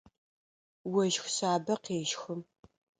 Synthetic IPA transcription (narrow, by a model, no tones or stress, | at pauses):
wɐʒxʷsaːbɐqeːʒxʊm